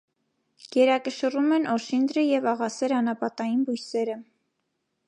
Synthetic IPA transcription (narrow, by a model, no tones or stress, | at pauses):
ɡ̥ɛɾɑkəʃərumɛnʔɔʃind̪ɾəjɛvɑʁɑsɛɾɑnɑpɑt̪ɑjinbujsɛɾə